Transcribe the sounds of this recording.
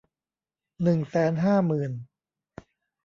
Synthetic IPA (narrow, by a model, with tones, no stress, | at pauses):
nɯ˨˩ŋsɛː˨˦nɦaː˥˩mɯː˨˩n